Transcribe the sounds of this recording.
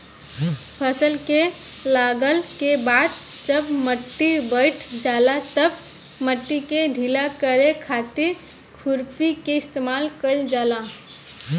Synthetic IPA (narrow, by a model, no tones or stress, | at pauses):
pʰəsəlke | laɡəlkebad̪̚d͡ʒəbməʈːibəɪʈʰd͡ʒalat̪əb | məʈːikeɖʱilakəɾekʰat̪iɾ | kʰuɾpikeɪst̪emalkəd͡ʒala